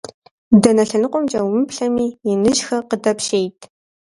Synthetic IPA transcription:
dɐnɐɬɐnɨqʷʼɔmt͡ʃʼɐwmɨpɬɐmiːjɪnɨʒxɐqədɐpʃeːjtʰ

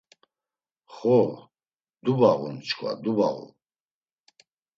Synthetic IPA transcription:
χɔ | d̪ubaɣunt͡ʃkʰwa̰d̪ubaɣṵ

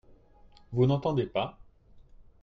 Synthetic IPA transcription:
vunɑ̃t̪ɑ̃d̪epa

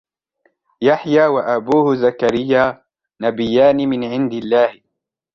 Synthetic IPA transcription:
jaħjaːwaʔabuːhʊzakaɾɪjːaː | nabɪjːaːnɪmɪnʕɪnd̪ɪlːaːhɪ

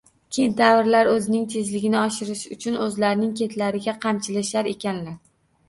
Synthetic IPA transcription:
kʲʰejnd̪avɾlaɾɵzɪnɪŋt̪ʰe̞zlɪɡʲɪnɪɒʃɪɾɪʃʊt͡ʃʰʊnɵzlaɾnɪŋkʲʰe̞t̪ʰlaɾɪɡʲaqʰɑmt͡ʃʰɪlɪʃaɾe̞kʲanlaɾ

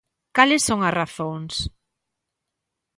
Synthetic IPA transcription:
kalɪsːoŋɐsraθoŋs

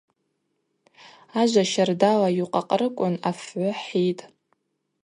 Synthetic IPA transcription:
aʒʷaʃardalajuqʼaqʼrɨkʷʼʊnafʕʷʊħitʼ

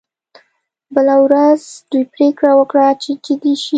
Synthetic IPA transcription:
bəlawɾazd̪ujpɾekɽawəkɽat͡ʃed͡ʒɪd̪iʃi

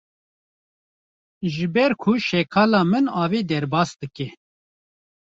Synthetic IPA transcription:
ʒɨbɛɾkʰʊʃɛkʰɑːlɑːmɨnɑːveːd̪ɛɾbɑːsd̪ɨkɛ

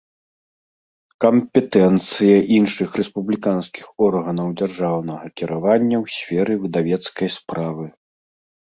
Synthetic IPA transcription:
kɐmpʲɛt̪ɛnt̪sɨjɐʔinʂɨxrɛspublʲikanskʲixɔrɣɐnɐwd͡zʲarʐawnɐɣɐkʲiɾavanʲːɐwsʲfʲɛɾɨbɨd̪avʲɛt̪skɐjspɾavɨ

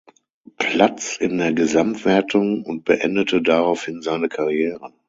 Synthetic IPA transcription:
pʰl̥at͡sɪndeːɐɡəzamtv̥ɛɐtʰʊŋʊnt̚b̥əʔɛ̰ndətʰədaʁaʊfhɪnzaɪnəkʰaʁjɛːʁə

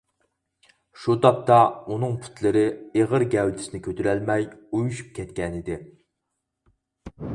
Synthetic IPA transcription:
ʃud̪ɑp̚t̪ʰɑunɨŋpʰu̥t̪ʰlɪɾɪeʁəɾɡʲɛwd̪ɪ̥sɪnɪkʲʰøt̪yɾælmɛjujuʃu̥p̚kʲʰɛt̪kʲɛnɪd̪ɪ

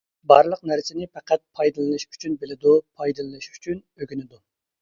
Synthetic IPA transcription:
bɑɾlˠəqnæɾsɪnɪpɛqæt̪̚pʰɑjd̪ɨlˠɨnɨʃy̥t͡ʃʰynbelɪd̪upʰɑjd̪ɨlˠɨɨʃy̥t͡ʃʰyn | øɡʲynɪd̪u

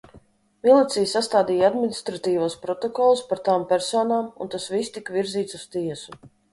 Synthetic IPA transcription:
milˠit̪sijsast̪aːd̪iːjad̪minist̪ɾat̪iːvaːspɾɔt̪oɔkɔlˠuspaɾt̪aːmpʲɛɾsɔːnaːmunt̪asvist̪ikviɾziːt̪su̥st̪iɛsu

